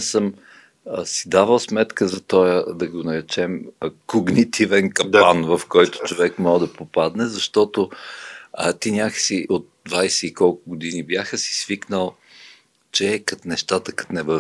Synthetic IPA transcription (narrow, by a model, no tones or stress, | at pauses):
səm | sid̪avəlˠsmɛt̪kəzɐt̪ɔjəd̪ɐɡonɐɾɛt͡ʃɛmkoɡnit̪ʰivɛnkɐanvɐfkɔjt̪ʊ̥t͡ʃovɛkmɔd̪ɐpopad̪nɛzɐʃt̪ɔt̪o | ət̪inʲaksiʔot̪̚d̪vajsɛikɔlˠkʊɡod̪inibjaxəsi̥sviknəlˠ | t͡ʃɛːkɐt̪nɛʃt̪at̪əkɐ̥t̪nɛvə